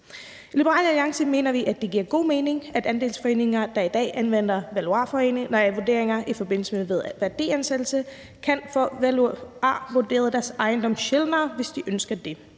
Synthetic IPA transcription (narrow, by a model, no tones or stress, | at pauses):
lib̥əʁɑ̰ːlæliɑ̈ŋsəme̝̰ːnɐʋiʔæd̥ːe̝ɡ̥iɐɡ̥o̝̰ːme̝ːne̝ŋæd̥ænd̥e̝ːlsfɒ̽e̝̰ːne̝ŋɐd̥ɑ̈id̥ɛ̰ːʔænʋen̰d̥ɐʋæluɑ̰̈ːfɒ̽ḛːneŋnɒjʋuɐd̥e̝̰ɐ̰eŋɐʔifɒ̽b̥e̝n̰l̩səmeʋeð̞ˠʋæɐd̥e̝̰ːænsed̥l̩sə | kʰænfɔʋæluɑ̰̈ːʋuɐd̥e̝̰ːɐð̞̩ˠd̥æɐsɑ̈ɪnd̥ɒ̽mɕelnɐːʋe̝sd̥iʔønsɡ̥ɐd̥e̝